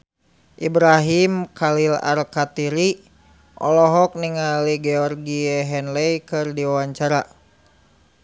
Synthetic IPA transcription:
ʔibɾaɦimkʰalila̰rkat̪iɾi | ʔɔ̰lɔɦɔk̚niŋaliɡɛɔrɡiɛɦɛnlɛjkɨrdiwawaɲt͡ʃaɾa

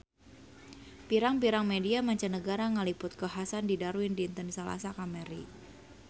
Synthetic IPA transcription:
piɾaŋpiɾaŋmediamaɲt͡ʃanəɡaɾaŋəlipʊt̪̚kəɦasandidaɾuɪndint̪ənsəla̰sakameɾi

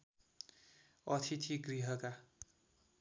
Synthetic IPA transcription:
ʌt̪ʰit̪ʰiɡriɦʌka

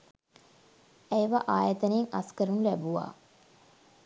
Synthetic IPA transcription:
æjʋaʔaːjɐt̪əneːŋaskəɾunulæbuʋa̰ː

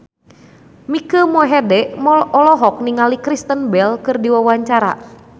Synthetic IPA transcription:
mikəmɔɦɛdɛʔmɔlɔɦɔk̚niŋalikɾist̪ənbɛlkɨrdiwawaɲt͡ʃaɾa̰

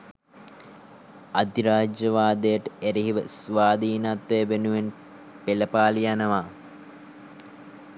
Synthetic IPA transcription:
ad̪iɾaːd͡ʒəʋaːd̪əjəʈəeɾiɦiʋəsʋaːd̪iːnat̪ʋebenuʋen | peləpaːlijanəʋaː

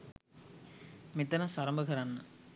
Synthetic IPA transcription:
mit̪ːɐnɐsɐɾɐmbɐɣɐɾaːnːɐ

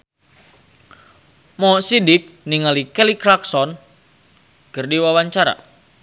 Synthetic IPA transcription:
mɔsidɪk̚niŋalikɛlikɾaksɔn | kərdiwawaɲt͡ʃaɾa̰

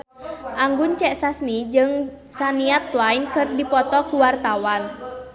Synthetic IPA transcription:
ʔaŋɡʊnt͡ʃɛʔsasmid͡ʒɨŋsaniat̪̚wainkərdipɔt̪ɔkuwart̪awan

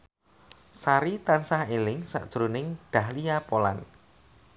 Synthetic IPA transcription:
saɾit̪ansahelɪŋsa̰ʔd̥ʒ̥ɾonɪŋɖ̪̥a̤hlijapola̰n

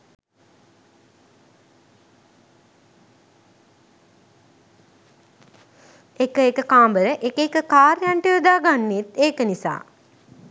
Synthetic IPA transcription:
ekəekəkaːmbəɾəʔekekəkaːɾjaɳʈiʋoəd̪aːɡanːet̪eːkənisa̰ː

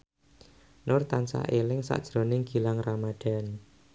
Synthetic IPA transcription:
nʊrt̪ansa̰ʔelɪŋsa̰ʔd̥ʒ̥ɾo̤nɪŋɡ̥i̤laŋramad̪̥a̤n

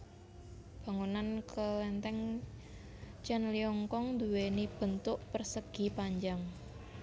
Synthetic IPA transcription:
b̥a̤ŋunankəlɛnt̪ɛŋ | t͡ʃɛnliɔŋkɔŋd̪uwenib̥ə̤nt̪ʊʔpərsəɡ̥i̤paɲd͡ʒaŋ

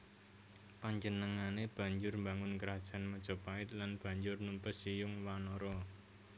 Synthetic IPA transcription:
paɲd͡ʒənəŋaneb̥ä̤ɲd͡ʒʊrmbaŋʊnkəɾad̥ʒ̥a̤nməd̥ʒ̥ɔ̤paɪt̪̚lanb̥a̤ɲd͡ʒʊrnumpəsijʊŋwanɔɾɔ

